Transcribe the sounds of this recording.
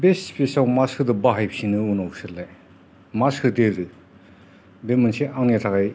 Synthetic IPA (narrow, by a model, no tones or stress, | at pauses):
besspʰesawmaskʰɯd̪ɯbaɦajp̚sinɯunawsɯɾla | maskʰɯdeɾɯ | bemɯnseʔaŋnitʰakaj